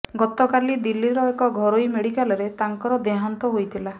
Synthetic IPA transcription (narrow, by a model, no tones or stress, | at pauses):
ɡɔt̪ɔkalid̪ilːiɾɔekɔɡʱɔɾojmeɽikalɔɾet̪aŋkɔɾɔd̪eɦant̪ɔɦojt̪ʰila